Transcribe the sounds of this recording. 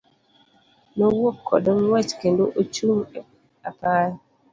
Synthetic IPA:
nowokʰːɔ̰dɔnwat͡ʃkendoʔot͡ʃuŋ | apaɾ

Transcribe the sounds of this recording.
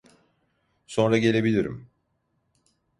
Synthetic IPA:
so̞nɾaɟe̞lʲe̞bilʲiɾḭm

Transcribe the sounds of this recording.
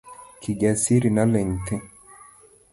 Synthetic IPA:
kʰiɡasiɾinalɛnt̪e

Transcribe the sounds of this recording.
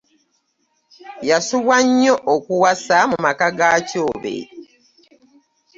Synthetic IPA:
jasuβwaɲːo̞ʔokuwasamumakaɡaːcoːβḛ

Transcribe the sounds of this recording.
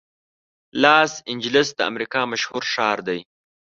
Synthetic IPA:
lɑːsɪnd͡ʒlɪsd̪əa̰mɾikɑmaʃhuɾʃɑːɾd̪aj

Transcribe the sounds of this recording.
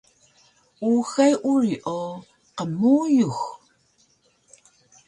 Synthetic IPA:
uxajʔuriʔo | qəmuːjux

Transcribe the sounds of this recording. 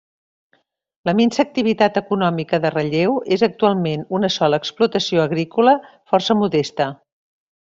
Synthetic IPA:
ləminsək̚t̪iβit̪at̪əkunɔmikəðərəʎewezək̚t̪ualˠmenunəsɔləːksplut̪əsioəɣɾikulə | fɔrsəmuðɛst̪ə

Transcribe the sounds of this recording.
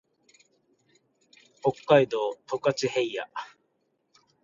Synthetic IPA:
ho̞kːaid̪o̞ːt̪o̞kat͡ɕihe̞ija̰

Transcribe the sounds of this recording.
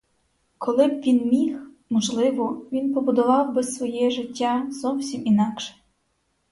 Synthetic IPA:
kʰɔlˠɪbʋʲinmʲix | mɔʒlˠɪʋɔʋʲinpɔbʊd̪ɔʋɑwbɪsʋɔjɛʒɪtʲːazɔwsʲiminɑkʃɛ̥

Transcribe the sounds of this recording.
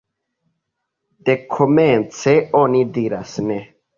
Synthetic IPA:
d̥e̞kʰo̞ment͡se̞onidiɾasne

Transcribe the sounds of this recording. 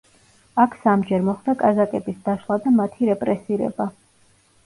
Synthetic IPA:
akʰsamd͡ʒɛɾmɔχd̪akʼazakʼɛbisd̪aʃlˠad̪amat̪ʰiɾɛpʼɾɛsiɾɛ̰ba

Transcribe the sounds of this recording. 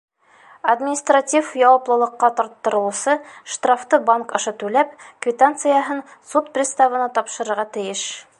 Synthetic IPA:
ɐd̪mʲɪnʲist̪ratʲifjɑwɤ̆plˠɤ̆lˠɤ̆qːɑt̪ɒɾt̪ːɤ̆ɾɤ̆lˠɤsɤʃt̪raft̪ɤbaŋkɤ̆ʃɤt̪ʉlæpkvʲɪt̪ant̪sɨjaɦɤnsut̪̚prʲɪst̪avɤ̆nɑt̪ɒpʃɤ̆ɾɤ̆ɾʁɑt̪ɘ̆jɘʃ

